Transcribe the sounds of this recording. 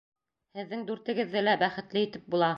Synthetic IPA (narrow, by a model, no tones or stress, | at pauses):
hɘ̆ðːɘŋd̪ʉɾt̪ɘ̆ɡɘ̆ðːɘlæbæχɘ̆t̪lɘit̪ɘp̚bulˠɑ